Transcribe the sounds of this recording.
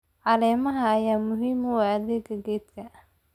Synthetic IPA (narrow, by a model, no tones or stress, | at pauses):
ʕɑlɛːmɐɦɐːjaːmʊɦiːmʊwaɐðɛɡɐɡɛːt̪kʰɐ